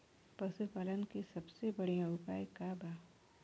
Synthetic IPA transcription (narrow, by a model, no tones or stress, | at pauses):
pɐsupaːlənkesɐbsebɐɽ̤ejãʊpaːjkabaː